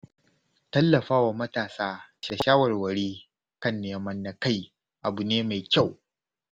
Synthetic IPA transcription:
tɐ˦lːɐ˨ɸaː˦wa˨mɐ˦taː˨saː˦ʃaː˨ʃaː˦wɐ˨rwɐ˨ɾiː˦ | kɐ˦nːeː˨mɐ˦nːa˨ka˦˨j | ʔa˨bu˨neː˦ma˨jkʲa˦˨w

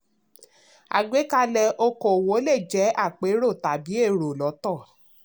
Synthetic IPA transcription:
a̰˨ɡ͡be˨˦ka˧˦lɛ˨ʔo˧ko˨wo˨˦le˦˨d͡ʒɛ˨˦a˦˨k͡pe˨˦ɾo˦˨ta˨bi˨˦e˦˨ɾo˨lɔ˨˦tɔ˦˨

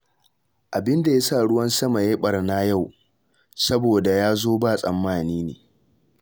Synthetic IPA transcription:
ʔa˨bɪ˦nda˨ja˦saː˦˨ɽʊ˦wɐ˦nsɐ˦ma˨je˦ɓɐ˨rna˦ja˦˨w | sɐ˦boː˨da˨jaː˦zoː˦baː˦˨sʼɐ˨mːaː˦˨niː˦nḛː˨

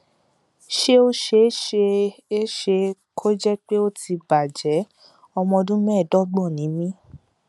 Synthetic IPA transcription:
ʃe˦o˧ʃe˧˦ʃe˧e˦ʃe˧kʰo˦d͡ʒɛ˦k͡pe˦o˦ti˧ba˨d͡ʒɛ˨˦ | ɔ˧mɔ̃˧o˧dũ˦mɛ̃ː˦˨dɔ˦ɡ͡bɔ̃˦˨nĩ˨˦mĩ˦

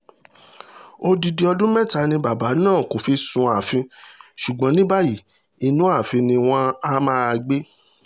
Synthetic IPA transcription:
o˧di˧di˧ɔ˧dũ˦mɛ̃˦˨ta˧˦nĩ˧ba˨ba˨˦nãː˦˨ko˨fi˧sũ˧a˨fĩ˧ʃu˨ɡ͡bã˨˦nĩ˦ba˦ji˦˨ | i˧nũ˦a˦˨fĩ˧nĩ˧w̃ɔ̃˦a˦mãː˦˧ɡ͡be˦

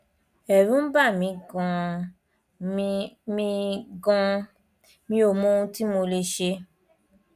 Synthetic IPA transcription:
ɛ˨ɾũ˨˦m̩˦ba˦˨mĩ˨˧ɡã˨˧ | mĩ˧ɡɔ̃˧ | mĩ˧o˧˨mõ˦ũ˧ti˦mo˧le˧ʃe˧

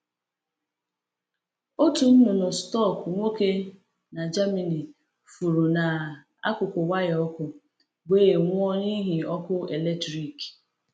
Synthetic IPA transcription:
o˦tu˨n̩˦nʊ˨nʊ˨stɔ˦˨kŋʷo˦ke˦ | na˨d͡ʒa˦me˨ni˨ | fu˨ɾu˨na˨ | a̰˦kʊ˨kʷʊ˨wa˦jɔ˦kʊ˨ | beː˦˨ŋʷʊ˦ɔ˦ɲi˦ɦi˨ɔ˦kʊ˦e˨le˦tɾi˨k

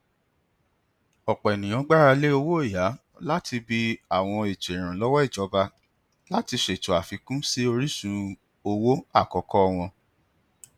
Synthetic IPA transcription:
ɔ˨k͡pɔ˨ɛ˨nĩ˨j̃ã˨˧˦ɡ͡ba˦ɾa˧le˦o˧wo˦e˦˨ja˨˦ | la˦ti˧bi˧a˨w̃ɔ̃˧i˨t͡ʃe˨ɾ̃ã˨lɔ˦wɔ˦i˦˨d͡ʒɔ˨˦ba˧ | la˦ti˧ʃe˨tu˨a˨fi˧kũ˦si˦o˧ɾi˦sũ˧ | o˧wo˦a˦˨kɔ˨˧˦kɔ˦ɔ˧w̃ɔ̃˧

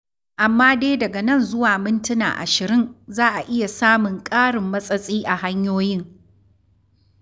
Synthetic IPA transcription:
ʔa˨mːaː˦deː˦dɐ˨ɡɐ˨nɐ˦˨nzʊ˦waː˨mɪ˦ntʊ˦na̰ː˨ʔa̰˨ʃɪ˨ɾɪ˦nzaː˦ʔa˨ʔɪ˦ja˨saː˦mʊ˨ŋkʼaː˦ɽɪ˨mːɐ˦sʼɐ˦sʼiː˦ʔa˨ɦa˦ɲjoː˦jɪ˦ŋ

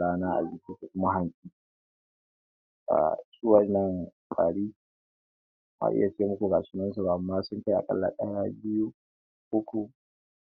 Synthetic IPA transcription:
aː˦naː˦ʔa̰˨biː˦ke˦ku˨kʷʊ˦ma˦ɦa˨nsʼiː˦ | ʔa̰˨su˦wɐ˦nːɐ˦ŋ | kʼaː˨ɽiː˦ | ma̰˦ʔɪ̰˦ja˨t͡ʃeː˦mʊ˦kʷu˨ɡa˨t͡ʃɪ˦nɐ˦ns̬a˨ba˨mːaː˦sʊ˦ŋka˦ʔa̰˨kʼɐ̰˦lːa̰˨kʼaː˦jaː˦bɪ˦ju˦ | hʊ˦kʷu˨

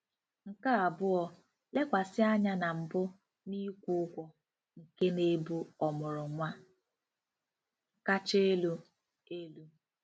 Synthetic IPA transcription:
ŋ̩˨ka˦a˨bʊ˦ɔ˦ | le˦kʷa˨sɪ˦a˦ɲa˦na˨m̩˨bʊ˦ | ni˦kʷu˦kʷɔ˨ | ŋ̩˨ke˦ne˦bu˦ɔ˨mʊ˨ɾʊ˨ŋʷa˦ | ŋ̩˨ka˦t͡ʃe˦e˦lu˦ | e˦lu˦

